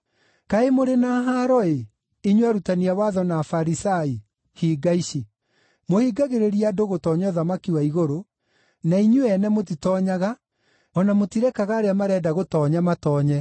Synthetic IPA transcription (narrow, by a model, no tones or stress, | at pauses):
kaemoɾenaːɦaɾɔe | iɲwaɾutaniawaðɔnafaɾisai | hiːɡaiɕe | mohiːɡaɣeɾeɾiadoɣotɔːɲɔðamakiwaiɣoɾo | naiɲuɛnɛmot̬itɔːɲaɣa | ɔnamotiɾɛkaɣaːɾeamaɾɛdaɣotɔːɲamatɔːɲɛ